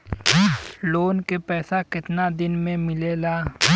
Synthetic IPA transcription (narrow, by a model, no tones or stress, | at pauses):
loːnkepɛːsakɪt̪nad̪ɪnmẽmɪlelaː